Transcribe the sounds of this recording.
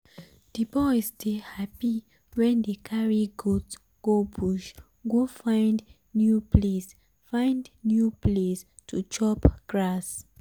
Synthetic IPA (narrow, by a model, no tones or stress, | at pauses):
d̥ibɔɪstehapi | wɛ̃ndekʰaɹiɡuts | ɡ̥obuʃ | ɡofãɪ̃nd | njupʰles | fãɪ̃ndnjuples | tʰut͡ʃɔpɡ̥ɹas